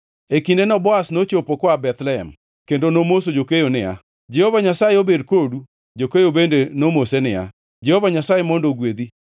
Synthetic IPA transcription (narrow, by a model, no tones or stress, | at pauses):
ekindenɔbɔasnot͡ʃopokɔabɛt̪lɛɦɛ̰m | kendonomosod͡ʒokejonɪa̰ | d͡ʒɛhovaɲasajeobedkodu | d͡ʒokejobendenomosenɪa̰ | d͡ʒɛhovaɲasajemɔndoɡwed̪i